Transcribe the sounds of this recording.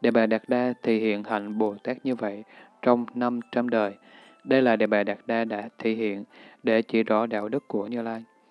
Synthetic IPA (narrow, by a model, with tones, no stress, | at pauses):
ɗḛ˧˩ɓaː˨˩ɗaː˨˩k̚ɗaː˧t̪ʰḭ˧˨hḭ˧˨ənha̰˧˩jŋ̟ɓo˨˩t̪aː˦˥k̚ɲɨ˧və̰˧˨jt͡ɕɔ˧wŋ͡mna˧mt͡ɕa˧mɗəː˨˩j | ɗə˧jlaː˨˩ɗḛ˧˩ɓaː˨˩ɗaː˨˩k̚ɗaː˧ɗa̰ː˧˥t̪ʰḭ˧˨hḭ˧˨ənɗe˧˩t͡ɕḭ˧˩zɔ˧˦ɗa̰ː˧˨wɗɨ˦˥kːu˧˩əɲɨ˧laː˧j